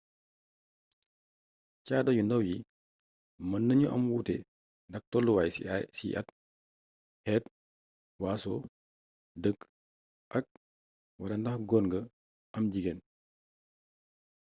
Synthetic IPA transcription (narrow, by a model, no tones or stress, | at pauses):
caːdɐjundɐwji | mɐnːɐɲuʔɐmwuːtɛ | ndɐk̚tɔlːuwaːjsḭʔɐ̰t | hɛːt̚ | waːsɔː | dək | ʔɐk̚ | wɐdɐndɐxɡɔːnɡɐ | ʔɐmɟiɡen